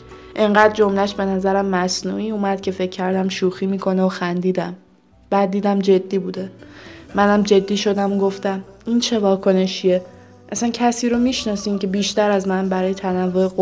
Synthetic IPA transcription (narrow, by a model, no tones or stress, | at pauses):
ʔeɴɢæd̪̚d͡ʒo̞mlæʃbe̞næzæɾæmːæsnṵːiuːmæd̪̥cʰe̞fe̞cʰːæɾd̪æmʃuːxiːmiːkʰo̞neoxænd̪iːd̪æm | b̥æːd̪̚ːiːd̪æmd͡ʒe̞d̪ːiːbuːd̪e̞ː | ænæmd͡ʒe̞d̪ːiːʃo̞d̪æmoɡo̞ft̪æmint͡ʃʰe̞vɒːkʰo̞ne̞ʃie | ʔæsæncʰæsiːɾomiːʃnɒːsiːmcʰe̞biːʃt̪æɾæzmænbæɾɒːje̞t̪ʰænævːo̞eɣo